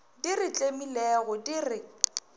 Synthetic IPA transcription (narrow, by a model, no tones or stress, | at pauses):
dirɪt͡ɬʼemilɛɣɔdirɪ